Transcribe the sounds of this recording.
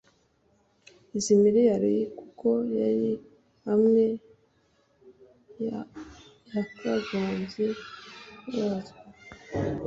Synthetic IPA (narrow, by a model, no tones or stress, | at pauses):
izimiɾejaɾijikuko̞jaɾi | hamŋe̞ | jakaɡaːmze | waza